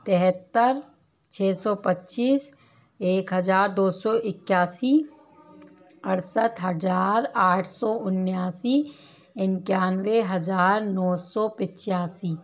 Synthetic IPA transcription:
t̪ɪɦət̪ːəɾ | t͡ʃʰeːsɔːpətːʃiːs | eːkɦəzaːɾd̪oːsɔʔɪkːjaːsi | əɾsət̪ɦəzaːɾaːʈʰsɔːʊnjaːsiː | ɪnkjaːnweɦɐzaːɾnɔːsɔːpɪt͡ʃːjaːsiː

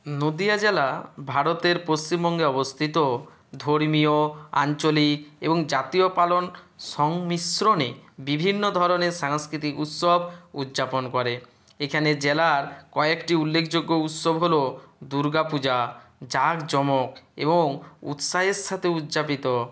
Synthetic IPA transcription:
nod̪ijad͡ʑelabʱaɾot̪eɾpost͡ɕimbɔŋɡeɔbost̪ʰit̪o | d̪ʱoɾmioa̰nt͡ɕolikḛboŋd͡ʑat̪iopalonʃɔŋmisɾonebibʱinːod̪ʱɔɾoneɾʃaŋskɾit̪ikut̪sobʱut̪ːd͡ʑaponkɔɾe | ekʰaned͡ʑelaɾkɔekʈiulːekʰd͡ʑoɡːout̪sobɦolod̪uɾɡapud͡ʑad͡ʑaɡd͡ʑɔmokḛboŋṵt̪sʃaɦeɾʃʰat̪ʰeut̪ːd͡ʑapit̪o

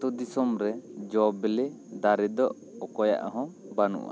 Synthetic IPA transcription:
t̪ud̪isɔmɾɛd͡ʒɔbɛle | d̪aɾɛd̪ɔʔ | ɔkɔja̰ʔaɦɔ̃ | banṵʔa̰

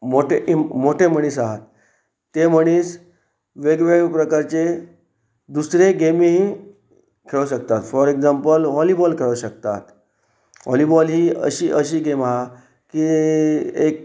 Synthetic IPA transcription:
moʈʰeʔmoʈʰeməɽ̃iːsaɦat̪ː | eməɽ̃iːs | ʋeɡʋeɡpɾəkaɾt͡se | d̪usɾeɡemiɦi | kʰeɭəɕək̚t̪at̪fɔɾeɡd͡zampəlʋɔlibɔlkʰeɭəɕək̚t̪a̰t̪ | ʋɔ̰libɔlɦiːə̰ɕiːʔəɕiːɡemɦa | ki | ek̚

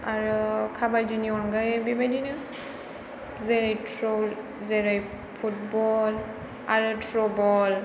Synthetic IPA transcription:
aɹukʰabald͡ʒiniɔnɡajɛbibajdinɯ | zɛɹajtʰɹol | zɛɹaj | pʰut̚bɔl | aɹutʰɹɔbɔl

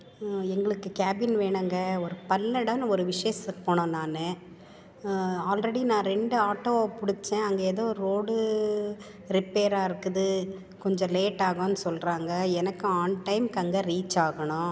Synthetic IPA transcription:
ɛŋɡɐɭɯkːɯkaːbɪnʋeːɳaːŋɡɐɔɾɯpɐlːɐɽɐːnɔɾɯʋɪʂejɐsɐpːoːɳõːnaːnɯ | aːlɾɐɽinãːɾɛɳɖɯaːʈːoːpʊɽɪt͡ʃːẽːɐŋɡeɛðoːɾɾoːɽɯ | ɾɪpeːɾaːɪɾɯkːɯðɯ | kɔɲd͡ʒɔ̃leːʈːaːɣõnːɯsɔlɾaːŋɡɐɛnɐkːɯaːnʈɐɪmkɐŋɡɐɾiːt͡ʃːaːɣɐɳʊ̃

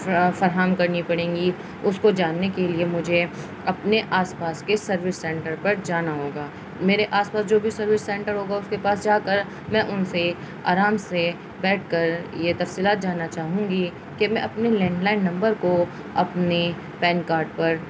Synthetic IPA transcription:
fɐɾɦaːmkɐɾnipɐɽẽːŋɡi | ʊskod͡ʒaːnːekeliemʊd͡ʒʱe | ɐpneʔaːspaːskesɐɾʋɪsːɛ̃ːʈəɾpɐɾd͡ʒaːnaɦoːɡaː | meːɾeʔaːspaːsd͡ʒoːbʱisɐɾʋɪsːɛ̃ːɳʈəɾɦoːɡaʊskepaːsd͡ʒaːkɐɾ | mɛ̃ʔʊnse | a̰ːɾaːmse | bɛːʈʰkɐɾjet̪ɐfsiːlaːt̪̚d͡ʒaːnːat͡ʃaːɦũŋɡi | kemɛ̃ɐpnelɛ̃ːɳɖlaːɪnːɐ̃mbəɾko | ɐpne | pɛ̃ːnkaːɾɖ̚pɐɾ

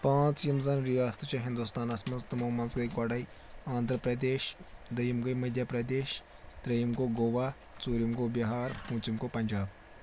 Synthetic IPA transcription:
pãːt͡sjimzɐnɾijaːst̪ʰt͡ʃɐɦɪ̃nd̪ust̪aːnɐsmɐnst̪momɐnzɡɐjkwɐːɽɐi | ãːnd̪ʱɾəpɾɐd̪eːʃd̪ɐjimɡɐjmɐd̪ʱjaːpɾɐd̪eːʃ | d̪ɾɐjimkoɡoːʋaː | t͡suːɾimkobɐɦaːɾhũːt͡ʃimkopɐɲd͡ʒaːb̚

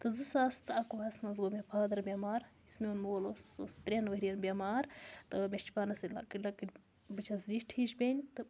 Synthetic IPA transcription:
t̪ɨzɨsaːst̪ɨɐkoɐsnɐz̬ɡomʲepʰaːd̪ɐɾbʲemaːɾismionmuoloːsost̪ɾʲenʋɐɦɾijɐnbʲemaːɾt̪ɨmʲet͡ʃi̥paːnɐsɐlɐ̰kilɐkiʈʲ | bɨt͡ʃʰɐsziʈʰiʃbʲenʲt̪ɨ

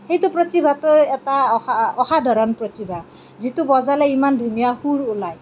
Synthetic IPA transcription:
xejtʊpɹotibʱatʊɛtaaɔhad̪ʱɔɹɔnpɹotibʱa | zitubɔzalɛimandʱunijahuɹʊlaj

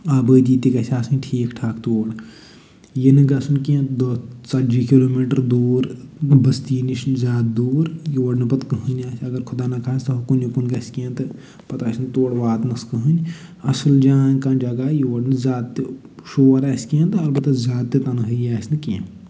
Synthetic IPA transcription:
aːbəːd̪iːt̪ikɐsʲaːsɨnʲʈʰiːkʈʰaːkʰt̪oːɽ | jenɨɡɐsunkẽnt̪d̪ot͡sɐd͡ʒikiloːmiːʈɾd̪uːɾbɐst̪iːniʃnzʲaːt̪̚d̪uːɾjiʋɐɖnɨpɐt̪kəɦɨnʲaːsʰʲɐɡɐɾkʰʊd̪aːnɐkʰaːst̪ɐɦɐkunjikunɡɐsʲkẽːnt̪ɨ | pɐt̪aːsʲnt̪oːɽʋaːt̪nɐskəɦɨnɐsɨld͡ʒaːnʲkãnd͡ʒɐɡajiʋɐɖnɨzaːd̪t̪ːi | ʃoːɾɐsʲkẽnt̪ɐlbɐt̪ɐzʲaːd̪̚t̪ːet̪ɐnɨɦəjaːsʰʲnɨki

